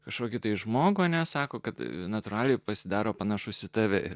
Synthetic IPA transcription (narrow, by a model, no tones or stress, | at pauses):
kɐʃkoːkʲɪt̪ɐɪʒmoːɡʊɐnʲɛsɑːkoːkɐt̪nɐt̪ʊɾɑːlʲɛɪpɐsʲɪd̪ɑːɾoːpɐnɐʃʊsʲɪt̪ɑʋʲɛɪɾ